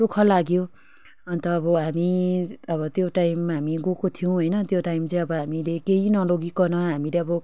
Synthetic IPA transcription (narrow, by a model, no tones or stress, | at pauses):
tokʰʌlaɡjo | ʌnt̪ʌːbʌɦamiʌbʌt̪joʈajmːaɦamiɡokot̪ʰijuw̃ɦʌjnʌt̪joʈajmt͡sʌj̃ʌbʌɦamilekeɦinʌloɡikʌnʌɦamileʌbʌ